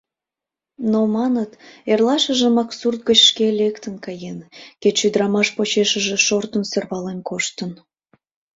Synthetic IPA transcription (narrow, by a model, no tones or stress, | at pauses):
nomɑnət̪erlɑʃəʒəmɑksurt̪̚ɡət͡ɕʃkelekt̪ənkɑjenket͡ɕʃyd̪əɾɑmɑʃpot͡ɕeʃəʒeʃort̪ənsørβɑlenkoʃt̪ən